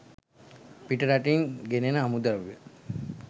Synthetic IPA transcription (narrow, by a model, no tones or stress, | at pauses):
piʈəɾaʈiŋɡenenəamud̪əʋjə